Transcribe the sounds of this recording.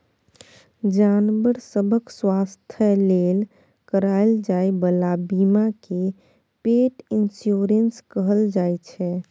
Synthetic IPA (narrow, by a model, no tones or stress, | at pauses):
d͡ʒanbəɾsəbʱəkswast̪ʰjəlel | kəɾajld͡ʒaebəlabimake | peʈinsjoɾənskəɦəld͡ʒaet͡ʃʰɛ